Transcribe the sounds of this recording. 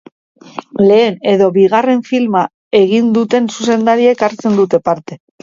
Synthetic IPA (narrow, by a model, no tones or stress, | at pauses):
le̞ːne̞ðo̞βiɣ̞are̞ɱfilma | e̞ɣind̪ut̪e̞nsuse̞nd̪aɾie̞kaɾt͡se̞nd̪ut̪e̞paɾt̪e̞